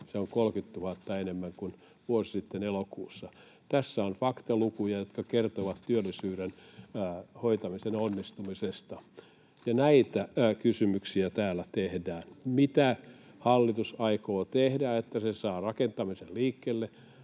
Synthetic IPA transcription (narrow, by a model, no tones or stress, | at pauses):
seoŋkolkyt̪t̪uhɑt̪ːɑenemːæŋkun | ʋuosi̥sit̪ːenelokṵːsːɑ | t̪æsːæonfɑkt̪ɑlukujɑjot̪kɑkert̪oʋɑt̪tyølːˑisyːɾenː | hoit̪ɑmisenonːist̪umisest̪ɑ | jɑnæit̪ækysymyksiæt̪æːlːˑæt̪ehdæːnmit̪æ | hɑlːit̪usɑikoːt̪ehdæet̪ːæsesɑːrɑkent̪ɑmiselliːkːeːlːe